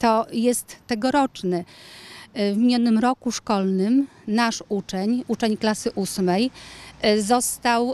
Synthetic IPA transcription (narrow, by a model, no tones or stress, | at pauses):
t̪ɔjɛst̪ːɛɡɔɾɔt͡ʂnɛ | vmʲiɲɔnːɘmɾɔkuʂkɔlnɘm | naʂut͡ʂɛɲut͡ʂɛɲklasɘʔusmɛj | zɔst̪aw